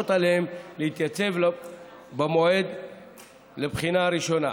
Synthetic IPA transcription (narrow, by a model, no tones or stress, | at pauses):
ot̪aleemlehit̪jat͡se̞v | bamo̞e̞d̪ | lebχinaːɾiʃo̞na̰